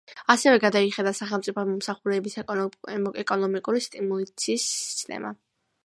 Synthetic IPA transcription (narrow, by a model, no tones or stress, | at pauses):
asɛvɛɡad̪aiχad̪asaχɛlˠmt̪sʼipʰɔmɔmsaχuɾɛːbisɛ | ɛkʼɔnɔmikʼuɾist̪ʼimulˠat̪sʰiːsi̥st̪ʼɛ̰ma̰